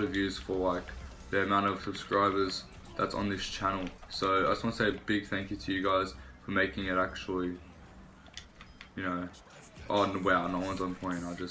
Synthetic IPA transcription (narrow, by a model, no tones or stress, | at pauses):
ɾʌvjʉz̥fə˞laɪk | ðiɨmãʊ̃ntʌv̥sɨb̥skɹaɪbə˞z̥ | ðætsn̩ðɪst͡ʃʰænl̩ˠsoʊaɪd͡ʒʌswɑ̃nəseɪbɪɡ̥̚θæ̃ŋkjɨɾʰɨjɨɡaɪz̥fə˞meɪkɪ̃ŋɪɾæk̚t͡ʃul̩ˠi | jɨnoʊ | ʔonwɛlˠnəʊwʌ̃nz̃npʰɔ̃ɪ̃ñnaɪd͡ʒʌs